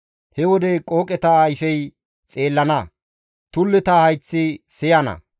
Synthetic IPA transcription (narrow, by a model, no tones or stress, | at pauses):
hɛwɔd̪ɛkʼo̞ːkʼɛt̪ɐːjfɛj | t͡sʼe̞ːlːɐnɐ | t̪ʊlːɪt̪ɐhɐjt͡sːɪsɪjɐnɐ̰